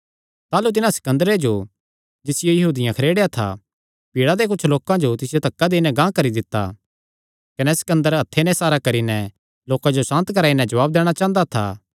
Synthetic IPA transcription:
t̪aːlut̪ɪnãsɐ̥kɐ̃nd̪əɾed͡ʒo | d͡ʒɪsɪjojɐɦuːd̪ɪjãkʰɐɾeːɽejat̪ʰa̰ | piːɽad̪ek̬ʊt͡ʃʰloːkãd͡ʒot̪ɪsɪjot̪ɐkːad̪eːnɛ̃ɡãːkɐɾid̪ɪt̪ːa̰ | kɐnɛsɐ̥kɐ̃nd̪əɾɐt̪ʰːenɛ̃saːɾakɐɾinɛ | loːkãd͡ʒosãːnt̪kɐɾaːinɛd͡ʒɐʋaːb̚d̪ɛːɽ̃at͡ʃãːə̃nd̪at̪ʰa̰ː

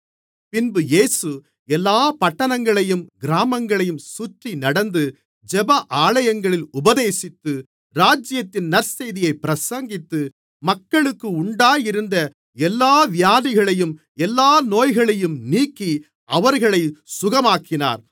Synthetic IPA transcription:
pɪnbɯjeːsɯ | ɛlːaːpɐʈːɐnɐŋɡɐɭɐjɯmɡɪɾaːmɐŋɡɐɭɐjɯmsʊʈrinɐɽɐnd̪ɯ | d͡ʒɛbɐʔaːlɐjɐŋɡɐɭɪlʊbɐðeːsɪt̪ːɯ | ɾaːd͡ʒɪjɐt̪ːɪnnɐɾsɛjðɪjɐɪpɪɾɐsɐŋɡɪt̪ːɯ | mɐkːɐɭɯkːɯʊɳɖaːjɪɾɯnd̪ɐ | ɛlːaːʋɪjaːðɪɣɐɭɐjɯm | ɛlːaːnoːjɣɐɭɐjɯmniːkːi | ɐʋɐɾɣɐɭɐɪsʊɣɐmaːkːɪna̰ːɾ

